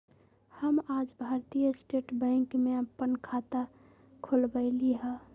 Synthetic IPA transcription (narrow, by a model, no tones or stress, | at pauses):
həmaːd͡ʒbʱaɾt̪ijəsʈeːʈbɛ̃ːŋkmeəpənkʰat̪a | kʰolbəɪliɦã